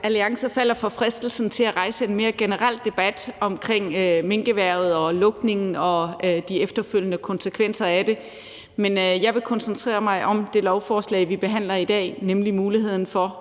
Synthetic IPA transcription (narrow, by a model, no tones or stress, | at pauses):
ʔæliɑ̈ŋsɐfæl̰ɐfɒ̽fʁɛsd̥l̩sn̩t͡sʰe̝læʁɑ̈ɪsəe̝nme̝ːɐɡ̥e̝nəʁal̰d̥e̝b̥æd̥ɒ̽mkʰʁeŋ̰me̝ŋɡ̥əʋæɐ̰ð̞̩ˠɒ̽lɔ̽ɡ̥ne̝ŋn̩ɒ̽d̥iefd̥ɐføl̰jənəkʰɒ̽nsəkʰʋen̰sɐæd̥e̝ | menjɑ̈ɪʋe̝kʰɒ̽nsnt͡sʰʁḛːɐmɑ̈ɪʔɒ̽md̥e̝lɒʊfɒːslɛ̰ɪʋib̥e̝ɦæn̰lɐid̥ɛ̰ːnemlimuːlihe̝ð̞̰ˠn̩fɒ̽